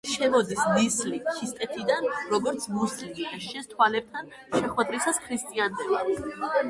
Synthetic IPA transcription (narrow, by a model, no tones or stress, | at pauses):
ʃɛmɔd̪isnislit͡ʃʰist̪ʼɛt̪ʰid̪anɾɔɡɔɾt̪sʰmuslimid̪aʃɛst̪ʰwalɛp̚t̪ʰan | ʃɛχwɛd̪ɾisaskʰɾist̪ʼiant̪ʰɛlad̪